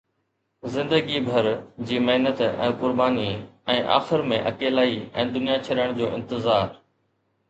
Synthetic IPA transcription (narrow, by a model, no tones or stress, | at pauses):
zɪ̃nd̪əɡibʱɐɾd͡ʑiːmeɦnət̪ɛ̰̃ːkʊɾbaːniɛ̃ːʔa̰ːxɪɾmẽʔɐ̰keːlaːiɛ̰̃ːd̪ʊnijat͡ɕʰɐɗəɽ̃d͡ʑoːɪ̃nt̪ɪzaːɾ